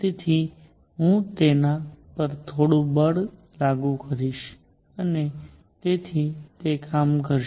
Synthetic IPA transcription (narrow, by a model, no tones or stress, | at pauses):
t̪et̪ʰi | ɦũt̪enapəɾt̪ʰoɽũbəɽ | laɡũkəɾiʃ | əne | t̪et̪ʰit̪ekʰamkəɾʃ